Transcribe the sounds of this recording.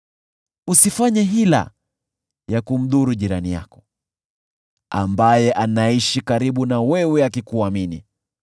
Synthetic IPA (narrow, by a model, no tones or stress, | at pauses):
usifaɲɛɦila̰ | jakum̩ðuɾuʄiɾanija̰kɔ̥ | a̰mbajɛʔanaiʃikaɾiɓunawɛwɛakikuamini